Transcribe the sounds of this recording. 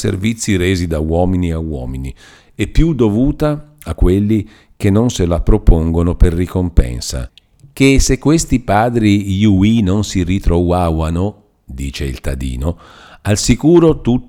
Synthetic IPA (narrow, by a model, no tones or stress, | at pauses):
sḛrvit̪sːiɾeːzid̪awɔːminiawɔ̰ːmini | epːjud̪ovuːt̪a | akːwelːi | k̟enːonselapɾopoŋɡonoperːikompɛ̰nsa̰ | k̟esekːwest̪ipaːd̪ɾijuinonsirit̪ɾowawano | d̪iːt͡ʃeḭlt̪ad̪ḭːno | alsikuːɾot̪ut̪ː